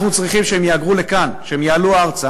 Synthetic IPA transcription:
χnut͡sʁiχimʃeɦemjeaɡʁule̞kanʃeemjaːluaʁt͡sa

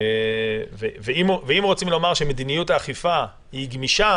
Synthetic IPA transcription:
veveimveimʁo̞t͡simlo̞maʁʃemed̪inijut̪aːχifa | hiɡmiʃa

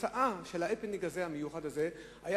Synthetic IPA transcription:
aʔaʃe̞laepelniɡazehamejuχad̪aze | haja

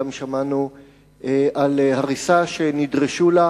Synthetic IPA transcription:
amʃamanu | eʔalhaʁisaʃenidʁeʃula

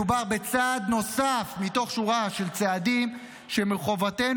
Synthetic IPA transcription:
ubaʁbe̞t͡saːd̪no̞safmito̞χʃuʁaʃe̞lt͡seadim | ʃe̞meʁχo̞vate̞

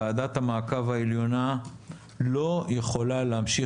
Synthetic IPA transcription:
aːdat̪hamaːkavaeljo̞na | lo̞jeχo̞laleamʃi

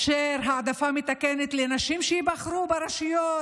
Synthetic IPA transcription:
ʃeɾɦaad̪afamet̪akenet̪lenaʃimʃeibaχɾubeɾaʃijo

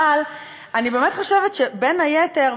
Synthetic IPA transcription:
al | anibe̞ːmetχo̞ʃevetʃebenajeteʁ

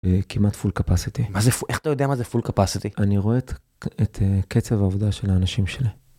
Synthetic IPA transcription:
ekimat̪fulkapasit̪imazefuʔexḁt̪ajodeamazefulkapasit̪iʔaniʁoet̪ | et̪ʰeket͡sevaːvod̪aʃe̞laːnaʃimʃe̞li

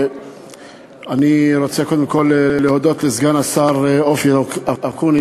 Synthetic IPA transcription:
aniɾot͡sekod̪emko̞lelehod̪o̞t̪lezɡanasaʁofiaakun

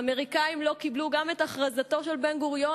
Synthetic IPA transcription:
ame̞ʁikaimlo̞kibluɡame̞taχʁazato̞ʃe̞lbenɡuʁjo̞

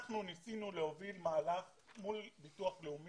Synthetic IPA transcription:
aχnunisinuleovilmaːlaf | mulbituaχleum

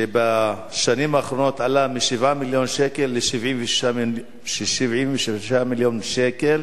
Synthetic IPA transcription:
eba | ʃanimaːχɾo̞no̞t̪ʕalamiʃivamiljo̞nʃekelːeʃivʕiɱvea | ʃʃivʕimveʃiʃamiljonʃekel

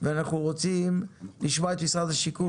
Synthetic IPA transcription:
vɛanaχnuʁot͡simliʃmat̪isadaʃiku

